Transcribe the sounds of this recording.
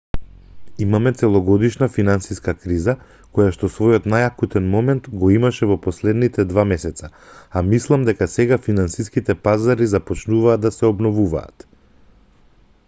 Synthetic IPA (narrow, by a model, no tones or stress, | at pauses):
imamɛt̪sɛlˠɔɡɔd̪iʃnafinansiskakɾiza | kɔjaʃt̪ɔsvɔjɔt̪najakut̪ɛnmɔmɛnt̪ɡɔimaʃɛvɔpɔslɛd̪nit̪ɛd̪vamɛsɛt̪saamislˠamd̪ɛkasɛɡafinansiskit̪ɛpazaɾizapɔt͡ʃnuvaːd̪asɛɔbnɔvuva̰ːt̪